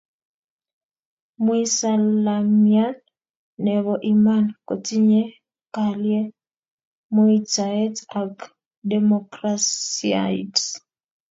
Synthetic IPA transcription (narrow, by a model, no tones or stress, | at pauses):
muisalamjan | nɛβɔʔimankotiɲɛ | kalje | muit͡saɛtak | demokɾasia̰it